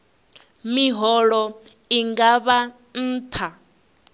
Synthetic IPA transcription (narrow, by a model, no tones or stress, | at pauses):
miɦɔɺɔ | iŋɡaβa | n̩ːt̪ʰa